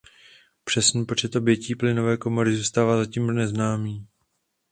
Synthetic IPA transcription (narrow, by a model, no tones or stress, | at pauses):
pr̝̥ɛsnnpo̞t͡ʃɛt̪ʔo̞bjɛciːplɪno̞vɛːko̞mo̞ɾɪzuːst̪aːvaːzaciːmonɛznaːmiː